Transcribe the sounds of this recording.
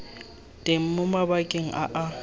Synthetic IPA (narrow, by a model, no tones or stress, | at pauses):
tʼem̩mʊmabakʼeŋ̩ʔa̰ʔa